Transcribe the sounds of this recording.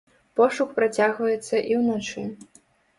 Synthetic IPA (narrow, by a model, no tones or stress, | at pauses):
pɔʂukpɾat͡sʲaɣvɐjɛt̪sːɐʔiwnɔt͡ʂɨ